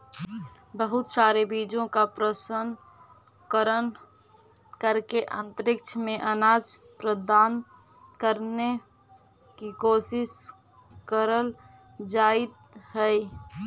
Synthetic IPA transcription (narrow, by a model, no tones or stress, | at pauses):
bəɦut̪saɾebid͡ʒõkapɾəsən | kəɾən | kəɾkeʔə̰nt̪əɾik̚t͡ʃʰəmeʔənad͡ʒpɾəd̪an | kəɾne | kikosis | kəɾəl | d͡ʒait̪ | ɦəj